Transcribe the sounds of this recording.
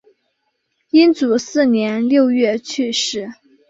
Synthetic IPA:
i˥nt͡su˨˩˦sɹ̩˥˩njɛ˧˥nljo˥˧ʊɥɛ˥˩t͡ɕʰy˥˧ʂɻ̩˥˩

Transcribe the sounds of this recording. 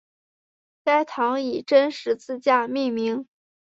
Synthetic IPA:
ka˥ɪt̪ʰɑ˧˥ŋi˨˩ʈ͡ʂə˥nʂɻ̩˧˥t͡sɹ̩˥˧t͡ɕja˥˧mi˥˩ŋmi˧˥ŋ

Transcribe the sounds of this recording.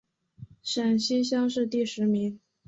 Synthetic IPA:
ʂə˨˩nɕi˥nɕjɑ˥ŋʂɻ̩˥˧t̪i˥˩ʂɻ̩˧˥mi˧˥ŋ

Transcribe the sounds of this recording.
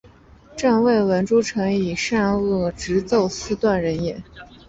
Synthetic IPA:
ʈ͡ʂa˥˧nwe˥˩ɪwə˧˥nʈ͡ʂu˥ʈ͡ʂʰɤ˧˥ŋi˨˩ʂa˥˧nɤ˥˩ʈ͡ʂɻ̩˧˥t͡so˥˧ʊsɹ̩˥t̪wa˥˩nɻə˧˥njɛ˧˥˦

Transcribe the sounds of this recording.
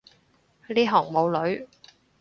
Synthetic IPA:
liː˥ɦɔː˨˩ŋmo˨˧wlɵ˨˧ɥ

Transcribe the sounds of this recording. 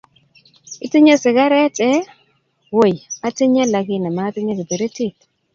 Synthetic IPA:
i˦ti˦ɲe˦sɪ˨ɡa˦ɾe˦tʼɛ˦ | wo˨ja˦ti˦ɲa˦la˨ki˦na˨ma˨˦ti˦ɲe˦ki˨bi˨ɾi˦ti˦˨t

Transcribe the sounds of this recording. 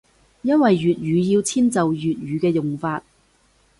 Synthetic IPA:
jɐ˥nwɐ˨jːyː˨t̚jyː˨˧ji˧wt͡sʰiː˥nt͡sɐ˨wjyː˨t̚jyː˨kɛː˧jʊ˨ŋfaː˧t̚

